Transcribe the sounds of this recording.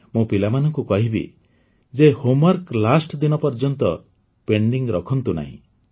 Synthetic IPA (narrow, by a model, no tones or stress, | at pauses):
mũpilamanɔŋkukɔɦibḭ | d͡ʒehomaɾklasʈɔd̪inɔpɔɾd͡ʒɔnt̪ɔ | peɳɖiŋɾɔkʰɔnt̪una̰ɦḭ̃